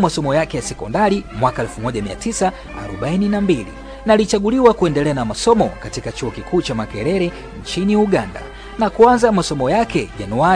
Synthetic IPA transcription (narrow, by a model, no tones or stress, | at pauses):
masɔmɔjakɛjasɛkɔndaɾimwakaɛlfumɔʄamia̰tisa | a̰ɾɔɓaininambilḭ | nalit͡ʃaɠuliwakuɛndɛlɛanamasɔmɔkatikat͡ʃuɔkikʰuːt͡ʃamakɛɾɛɾɛ | ɲt͡ʃiniuɠanda̰ | nakuanzamasɔmɔjakɛʄanua